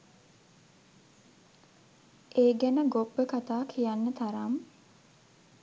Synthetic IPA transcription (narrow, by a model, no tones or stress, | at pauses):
ʔeːɡænəɡopːəkat̪aːkʰijanːət̪aɾam